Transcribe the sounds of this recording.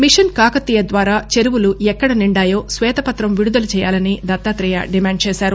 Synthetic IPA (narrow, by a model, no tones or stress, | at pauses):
miʂɐnkaːkɐt̪ːijɐd̪ʋaːɾaːt͡ʃeɾuwuluɛkːɐɽɐniɳɖaːjo̞ːsʋɛːt̪ɐpɐt̪ɾɐmʋiɽud̪ɐlut͡ʃɛːjaːlɐnid̪ɐt̪ːaːt̪ɾɛja̰ɖimaːɳɖ̚t͡ʃɛːsaːɾu